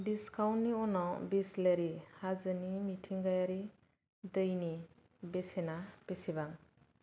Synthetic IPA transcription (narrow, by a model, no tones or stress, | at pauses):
diskawnnːiɔnɔbisleɾihazɯnimitʰiŋɡajaɾi | d̪ɯjni | besenab̥esiβaŋ